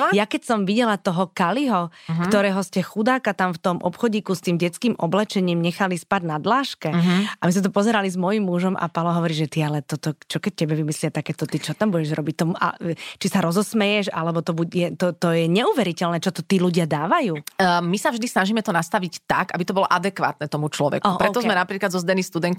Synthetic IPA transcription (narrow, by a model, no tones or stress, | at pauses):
jakɛcsɔmʋiɟɛlat̪ɔɦɔkaliɦɔkt̪ɔɾɛːɦɔscɛxud̪aːkat̪amft̪ɔmʔɔ̰pxɔɟiːkust̪iːmɟɛt͡skiːmʔɔblɛt͡ʃɛɲiːmɲɛxalispaɟnad̪laːʃkɛamizmɛt̪̬ɔpɔzɛɾalizmɔjimːuʒɔmʔa̰palɔɦɔʋɔɾiːʒɛt̪ialɛt̪ɔt̪ɔt͡ʃɔkɛc̚cɛbɛʋimislɪat̪akɛːt̪ɔt̪it͡ʃɔt̪ambuɟɛʒɾɔbic̚t̪ɔmuʔa̰t͡ʃisaɾɔzɔsmɛjɛʃa̰lɛbɔt̪ɔbujɛt̪ɔt̪ɔjɛɲɛuːʋɛɾicɛlnɛːt͡ʃɔt̪ɔt̪iːluɟɪad̪aːʋajuːmisavʒd̪isnaʒiːmɛt̪ɔnast̪aʋict̪akabit̪ɔbɔlɔʔad̪ɛkʋa̰ːt̪̚nɛt̪ɔmut͡ʃlɔʋɛ̰kʔupɾɛɔzmɛnapɾiːklad̪zɔzd̪ɛnist̪ud̪ɛŋk